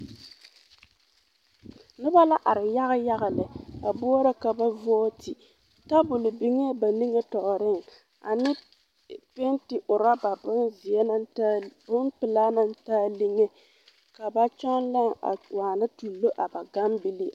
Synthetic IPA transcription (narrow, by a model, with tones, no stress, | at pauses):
nɨ˦ba˦la˦ʔa˨ɾɪ˨ja˦ɣɪ˦ja˦ɣa˨lɪ˨a˨bʊ˦ɔ˦ɾa˦ka˨ba˦vɔː˦tʰi˨ | ta˦bʊ˨lɪ˨bi˨ŋe˦ba˨ni˦ŋe˦tɔ˨ʔʊ˨ɾɪ˦ŋ˨ | a̰˨nɪ˦ | pe˦ntɪ˨ʔʊ˨ɾa˦ba˨bʊ˦nzɪ˨ɛ˦na˦na˦bʊ˦n˦pɪ˨laː˦na˦n˦taː˦li˦ŋe˦ | ka˨ba˦t͡ʃɔ˦nla˦ŋa̰˨waː˨na˦tu˨lːo˦ʔa˨ba˨ɡa˦mbi˦li˦